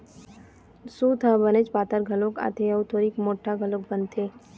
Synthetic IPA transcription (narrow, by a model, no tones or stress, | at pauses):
sut̪ʰãːbənet͡ʃpaːt̪əɾɡʱɐloka̰t̪ʰeɐwt̪ʰoːɾiːkmoːʈʰːaɡʱɐlok̚bɐnt̪ʰeː